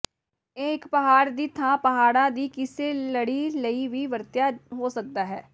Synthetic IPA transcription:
eːɪkpəɦaːɾd̪iːt̪ʰãːpəɦaːɽãːd̪iːkɪseːləɽiːləiːʋiːʋəɾt̪jaːɦoːsək̚d̪aːɦɛː

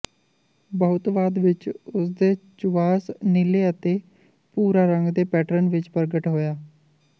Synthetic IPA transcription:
bəʊt̪ʋaːd̪ʋɪt͡ʃʊsd̪eːt͡ʃʊʋaːsnɪleːət̪eː | puːɾaːɾəŋɡd̪eːpɛːʈɾənʋɪt͡ʃpəɾɡəʈɦoːjaː

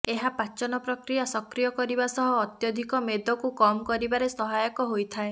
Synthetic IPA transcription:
eɦapat͡ʃɔnɔpɾɔkɾijasɔkɾijɔkɔɾibasɔɦɔːt̪jɔd̪ʱikɔmed̪ʱɔkukɔmɔkɔɾibaɾesɔɦajɔkɔɦojt̪ʰae

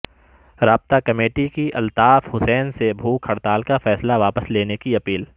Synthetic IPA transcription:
ɾaːb̚t̪akɐmeːʈikiʔɐlt̪aːfhʊsɛːnsebʱuːkʰːɐɽt̪aːlkafɛːslaʋaːpəsleːnekiɐpiːl

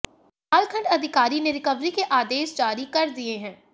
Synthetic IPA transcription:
ɐlkʰə̃ɳɖɐd̪ʱɪkaːɾineɾɪkəʋɾikeʔaːd̪eːʃd͡ʒaːɾikɐɾd̪ieɦɛ̃ː

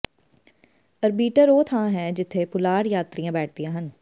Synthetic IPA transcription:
əɾbiːʈəɾoːt̪ʰãːɦɛ̃ːd͡ʒɪt̪ʰːeːpʊlaːɽjaːt̪ɾijãːbɛːʈ̚ʰd̪ijãːɦən

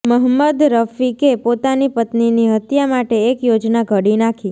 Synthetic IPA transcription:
məɦəmːəd̪ɾəfikepot̪anipət̪niniɦət̪jamaʈeːkjod͡ʒnaɡʱəɽinakʰi

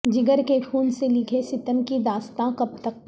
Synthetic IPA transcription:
d͡ʒɪɡəɾkekʰuːnselɪkʰesɪt̪əmkid̪aːst̪ãqɐp̚t̪ək̚

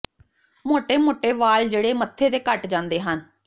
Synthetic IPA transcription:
moːʈeːmoːʈeːʋaːld͡ʒeːɽeːmət̪ʰːeːt̪eːkəʈd͡ʒãːnd̪eːɦən

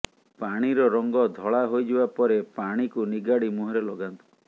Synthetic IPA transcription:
paɽ̃iɾɔɾɔŋɡɔd̪ʱɔɭaɦojd͡ʒibapɔɾepaɽ̃ikuniɡaɽimuɦɔɾelɔɡant̪u̥

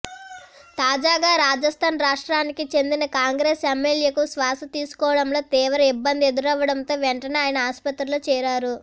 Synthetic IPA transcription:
t̪aːd͡ʒaːɡaːɾaːd͡ʒɐst̪ʰaːnɾaːʂʈɾaːnikit͡ʃe̞nd̪inɐkaːŋɡɾeːsemːeljeːkusʋaːsɐt̪iːsu̥kɔːʋɐɽɐmlo̞ːt̪iːʋɐɾɐibːɐnd̪ie̞d̪uɾɐʋːɐɽɐnt̪o̞ːʋɛɳʈɐneaːjɐnɐaːspɐt̪ɾulut͡ʃɛːɾaːɾu

